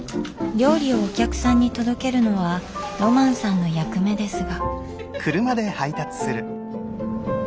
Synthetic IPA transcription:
ɾʲo̞ːɾʲio̞ːkʲakɯ̟̥sãɲ̟ːit̪o̞d̪o̞ke̞ɾɯ̟no̞βaɾo̞mãɰ̃sãnːo̞jakɯ̟me̞d̪e̞sɨɡa | kʰɯ̟ɾɯ̟mad̪e̞hait̪at͡sɨ̥sɨɾɯ̟

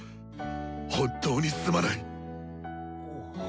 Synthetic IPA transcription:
hõnt̪ʰːo̞ːɲ̟isɨ̥sɨmanai

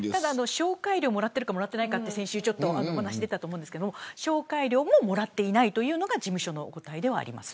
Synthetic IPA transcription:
t̪ad̪aːno̞ɕo̞ːkaiɾʲoːmo̞ɾat̪ːe̞ɾɯ̟kamo̞ɾat̪ːe̞naikat̪ːe̞sẽ̞ɰ̃ɕɨːt͡ɕo̞t̪ːo̞anohanaɕid̪e̞t̪at̪oːmõnd̪sɯked̪omoɕo̞ːkaiɾʲo̞ːmo̞mo̞ɾat̪ːe̞inait̪o̞jɯ̟ːno̞ɡad͡ʑimɯ̟ɕo̞no̞ko̞t̪aid̪e̞β̞a̰ːɾʲḭma̰sɨ̥

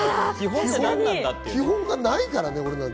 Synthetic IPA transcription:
iɦõihoãŋãakʲiɦõ̞ŋɡanaikaɾane̞o̞ɾe̞nãn

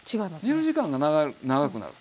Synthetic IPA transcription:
t͡ɕiɡaimasɲɯʑikãŋɡanaɡaɾɯnaɡakɯ̟na̰ɾɯ̟̰

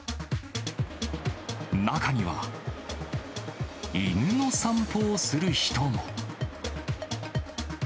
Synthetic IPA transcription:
nakaɲ̟iβa̰ | inno̞sãmpʰoːsɨɾɯ̟çi̥t̪o̞mo

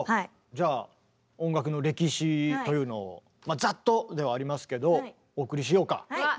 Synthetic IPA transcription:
d͡ʑaː | õ̞ŋɡakɯ̟no̞ɾe̞kʲiɕit̪o̞jɯ̟ːno̞̰ː | mazat̪ːo̞d̪e̞βaːɾʲimasɨ̥ke̞d̪o̞ | oːkɯ̟ɾʲiɕ̬ijo̞ːka̰

